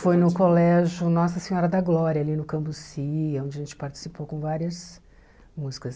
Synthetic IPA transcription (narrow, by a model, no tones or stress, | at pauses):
fojnʊkolɛʒʊnɔsɐsẽɲɔɾɐd̪ɐɡlɔɾiɐalinʊkɐ̃mpʊsiõnd͡ʒɪɐʒẽnt͡ʃɪ̥paɾt͡ʃi̥sipowkõw̃vaɾiɐs | muzikɐs